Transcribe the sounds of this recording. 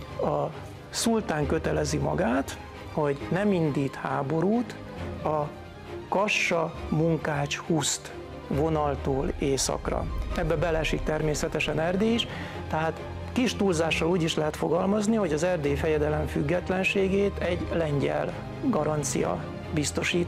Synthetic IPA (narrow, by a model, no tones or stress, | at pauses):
ɒ | sult̪aːŋkø̞t̪ɛlɛzimɒ̰ɡaːt̪ | ho̞ɟnɛmind̪iːt̪haːbo̞ɾuːt̪ | ɒ | kɒʃːɒmuŋkaːt͡ʃhust̪ | vo̞nɒlt̪oːleːsɒ̰krɒ̰ɛbːɛbɛlɛʃik̚t̪ɛrmeːsɛt̪ɛʃɛnɛrd̪eːiʃ | t̪ɛɦaːt̪ | kiʃt̪uːlzaːʃːɒluːɟiʃlɛɦɛt̪fo̞ɡɒlmɒzniɦo̞ɟɒzɛrd̪eːfɛjɛd̪ɛlɛɱfyɡːɛt̪lɛnʃeːɡeːt̪ɛɟlɛɲɟɛ̰l | ɡɒɾɒnt̪sḭjɒ̰ | bist̪o̞ʃiːt̪